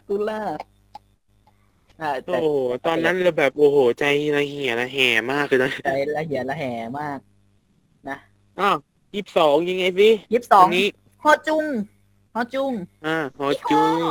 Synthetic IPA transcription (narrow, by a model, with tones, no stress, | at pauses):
k̪u˧laː˧˩ | ʔaː˧˩t̪ʔoː˧˨˩ho˩˦t̪ɔː˧nːa˦˥nla˧wbɛː˨˩p̚ʔoː˨˩hoː˩˦t͡ɕa˧jla˧hi˨˩˦nla˧ɦɛː˨˩˦maː˥˩kʰːɯ˧˩na˦˥˩t͡ɕa˧jla˧ɦi˨˩˦nla˧ɦɛː˩˦maː˥˩k̚ | na˦˥ | ʔɔː˧˩ | jiː˦˩p̚sɔː˩˦ŋja˧ŋːa˧jsi˧˥˩jiː˦˥˩p̚sɔː˩˦ŋniː˦˥ | hɔː˧˩t͡ɕu˧ŋ | hɔː˧˥˩t͡ɕu˧ŋʔaː˧˩hɔː˧˩t͡ɕu˧ŋ